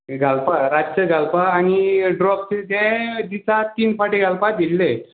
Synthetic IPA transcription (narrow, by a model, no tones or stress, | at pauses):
ɡʱalpaɾat͡ɕəɡʱalpaːñiɖɾɔk̚ted̪ɛ̃d̪it͡sat̪iːnpaʈiɡʱalpad̪ilːe